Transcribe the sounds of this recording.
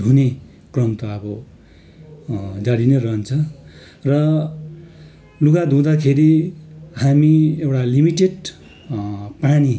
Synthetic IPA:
une | krʌmt̪ʌʌbʌ | d͡zaɽinerʌʌnt͡sʰʌ | rʌ | luɡad̪ʱũd̪akʰeɾiɦamiewʈalimiʈeɖ | pani

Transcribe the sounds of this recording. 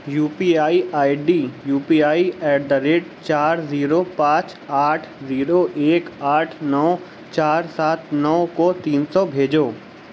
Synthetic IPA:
juːpiːaːiʔaːiɖiːjuːpiaːiɛːɖəɾeːʈ̚t͡ʃaːɾziːɾopãːt͡ʃ | aːʈʰziːɾoʔeːkaːʈʰnɔː | t͡ʃaːɾsaːt̪nɔːkot̪iːnsɔbʱeːd͡ʒoː

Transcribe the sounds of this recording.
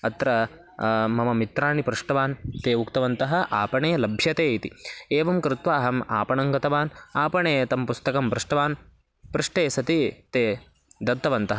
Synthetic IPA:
ɐt̪ɾɐ | mɐmɐmit̪ɾaːnipɾuʂʈɐʋaːnt̪eːukt̪ɐʋɐnt̪ɐɦɐ̆ʔaːpɐɳeːlɐbʱjɐt̪eːit̪ieːʋɐmkɾɪt̪ʋaːɦɐma̰ːpɐɳɐŋɡɐt̪ɐʋaːnaːpɐɳeːt̪ɐmpust̪ɐkɐmbɾuʂʈɐʋaːn | pɾuʂʈeːsɐt̪it̪eː | d̪ɐt̪ːɐʋɐnt̪ɐɦɐ

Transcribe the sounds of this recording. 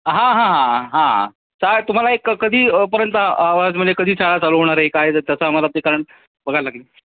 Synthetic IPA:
ɦãɦãɦãɦã | sajt̪um̤alaekkːəd̪ʱiːpəɾjənt̪aaʋad͡zməekəd̪ʱiːt͡saɭat͡saləɦoɽ̃aɾəɦekajt̪jasamalat̪ikaɾəɳ | bəɡʱalaɡliː

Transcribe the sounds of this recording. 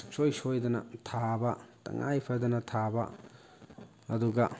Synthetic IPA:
sojsojdɐnɐtʰabɐtɐ̰ŋʔa̰jpʰɐd̪ɐnɐtʰabɐ̰ | ɐduɡɐ̰

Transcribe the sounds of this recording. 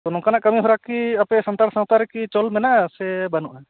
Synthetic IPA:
t̪onɔ̃kanaʔkəmiɦɔɾakiɐpɛsənt̪aɾsãɦt̪aɾɛkit͡ʃɔlmɛnasɛbənoʔɛ

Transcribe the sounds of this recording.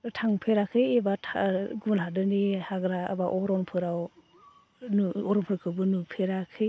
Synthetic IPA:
tʰaŋpʰeɾakʰɯjebatʰaɡunɦadɯnihaɡɾaa̰baʔɔɾɔŋpʰɯɾaw | nɔɾɔnpʰɾakʰɯbɯnupʰeɾakʰɯj

